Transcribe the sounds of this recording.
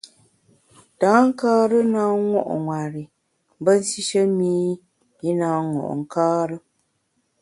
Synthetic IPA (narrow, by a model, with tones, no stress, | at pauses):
taː˨˦ŋ̩˦kaː˦ɾə˦naː˦ŋɔ̰˦ʔŋwa˨ɾi˨˦ | bə˦n̩˦si˦ʃə˦miː˦ | i˦naː˨˦ŋɔ̰˨ʔŋ̩˨kaː˦ɾə˦